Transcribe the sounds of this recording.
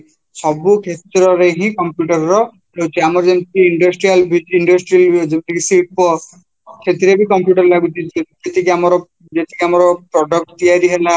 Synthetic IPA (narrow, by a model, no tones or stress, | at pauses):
sɔbukʰet̪ɾɔɾeɦĩkɔmpjuʈɔɾɔɾɔ | ɾowt͡ʃʰiamɔɾɔd͡ʒensiiɳɖɔsʈɾijalbid͡ʒiɳɖɔsʈɾiald͡ʒebt̪ikisiʈ̚pɔ | kʰet̪iɾebikɔmpjuʈɔɾlaɡut͡ʃʰid͡ʒ | et̪ikiamɔɾɔ | d͡ʒet̪i̥kiamɔɾɔpɾɔɖɔk̚ʈt̪ijaɾiɦela